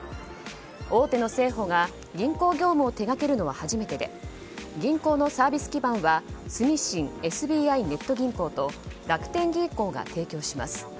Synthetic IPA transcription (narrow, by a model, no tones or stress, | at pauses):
o̞ːt̪e̞no̞se̞ːɦo̞ɡa | ɡʲĩŋko̞ːɡʲo̞ːmɯ̟ot̪e̞ɡake̞ɾɯ̟no̞β̞ahaʑime̞t̪e̞d̪e̞̰ | ɡʲĩŋko̞ːno̞saːbʲisɨ̥kʲibãɰ̃βasɨmʲiɕĩŋe̞sɨbʲiːaine̞t̪ːo̞ɡʲĩŋko̞ːt̪o̞d̪akɯ̥t̪ẽ̞ŋɡʲĩŋko̞ːɡa̰t̪e̞ːkʲo̞ːɕima̰sɨ̥